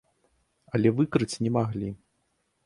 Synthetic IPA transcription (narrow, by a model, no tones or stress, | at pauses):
ɐlʲɛvɨkɾɨt͡sʲnʲɛmaɣlʲi